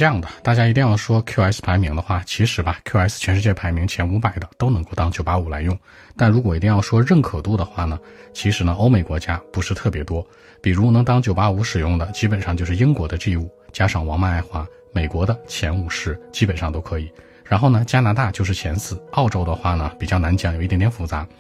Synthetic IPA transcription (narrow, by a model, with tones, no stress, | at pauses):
jɑ˥˩ŋd̪ə˩t̪a˥˩t͡ɕja˥i˧˥t̪i˥˧ŋjɑ˥˩ʊʂwɔ˥kʰju˥˧a˧˥ɪs̩˧pʰa˧˥ɪmi˧˥ŋd̪ə˧xwa˥˩t͡ɕʰi˧˥ʂɻ̩˧˥bɐ˧kʰja˧˥ɪs̩˥˩t͡ɕʰɥɛ˧˥nʂɻ̩˥˧t͡ɕjɛ˥˩pʰa˧˥ɪmi˧˥ŋt͡ɕʰjɛ˧˥nu˧˥pa˨˩ɪd̪ə˦t̪o˥ʊnɤ˧˥ŋko˥˩ʊt̪ɑ˥ŋt͡ɕjo˨˩ʊpa˥u˨˩la̰˧˥ɪjʊ˥˩ŋ | t̪a˥˩nɻu˧˥k̬wɔ˨˩i˧˥t̪i˥˧jɑ˥˩ʊʂwɔ˥ɻə˥˩nkʰɤ˨˩t̪u˥˩d̪ə˩xwa˥˩nə˩ | t͡ɕʰi˧˥ʂɻ̩˧˥nə˧ʔo˥ʊme˧˩ɪkwɔ˧˥t͡ɕja˥pu˧˥ʂɻ̩˥˧t̪ʰɤ˥˩pjɛ˧˥t̪wɔ˥ | pi˨˩ɻu˧˥nɤ˧˥ŋt̪ɑ˥ŋt͡ɕjo˨˩ʊpa˥u˧˥ʂɻ̩˨˩jʊ˥˩ŋd̪ə˩t͡ɕi˥pə˨˩nʂɑ˥˧ŋt͡ɕo˥˧ʊʂɻ̩˥˧ji˥ŋkwɔ˧˥d̪ə˧ʈ͡ʂi˥˧u˥˩t͡ɕja˥ʂɑ˥˩ŋwɑ˧˥ŋma˥˧na˥˩ɪxwa˧˥ | me˨˩ɪkwɔ˧˥d̪ə˧t͡ɕʰjɛ˧˥nu˨˩ʂɻ̩˥˩t͡ɕi˥pə˨˩nʂɑ˥ŋt̪o˥ʊkʰɤ˧˥i˨˩˦ | ɻa˧˥nxo˥˩ʊnə˩t͡ɕja˥na˧˥t̪a˥˧t͡ɕjo˥˧ʊʂ̬ɻ̩˥˩t͡ɕʰjɛ˧˥nsɹ̩˥˩ɑ˥˩ʊʈ͡ʂo˥ʊd̪ə˧xwa˥˩nə˩pi˨˩t͡ɕjɑ˥˩ʊna˧˥nt͡ɕjɑ˥˩ŋjʊi˥˩˧nt̪jɛ˧˩fu˧˥˩t͡sa˧˥